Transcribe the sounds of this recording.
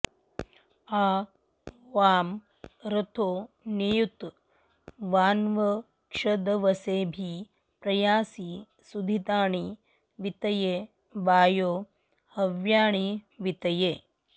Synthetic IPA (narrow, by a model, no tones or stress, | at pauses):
aː | ʋaːm | ɾɐt̪ʰoː | nejut̪ | ʋaːnʋɐ | kʂɐd̪ɐʋɐseːbʱi | pɾɐjaːsi | sud̪ʱit̪aːɳi | ʋit̪ɐje | baːjoː | hɐʋjaːɳiʋit̪ɐjeː